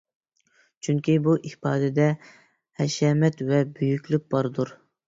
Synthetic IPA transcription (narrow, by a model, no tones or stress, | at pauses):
t͡ʃʰyŋkʲibuʔihpɑːd̪ɪd̪ɛ | hɛʃɛmɛt̪vɛbyjykʲlyk̚ʲbɑɾɨd̪uɾ